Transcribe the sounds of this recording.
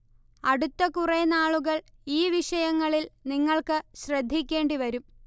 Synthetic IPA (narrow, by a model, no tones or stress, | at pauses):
ɐɽut̪ːɐkurenaːɭuɣɐɭ | iːʋiʂɐjɐŋːɐɭilniŋːɐɭkɨɕrɐd̪ʱːikʲːe̞ːɳɖiʋɐɾum